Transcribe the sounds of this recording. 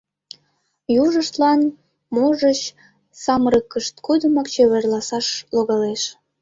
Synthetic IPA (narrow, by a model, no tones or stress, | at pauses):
juʒəʃt̪lɑn | moʒət͡ɕ | sɑmɾəkːəʃt̪kod̪əmɑkt͡ɕøβerlɑsɑʃloɣɑleʃ